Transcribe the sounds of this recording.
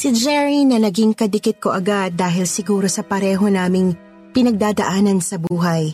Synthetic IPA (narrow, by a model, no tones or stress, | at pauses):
sɪd͡ʒɛɹinɐnɐɡiŋkɐd̪ɪkɪt̪̚ko̞ʔɐɡad̪̚ːaːɦɪlsɪɡuːɾo̞sɐpɐɾɛːɦo̞naːmɪŋ | pɪnɐɡ̚d̪aːd̪ɐʔaːnɐnsɐbuːɦɐj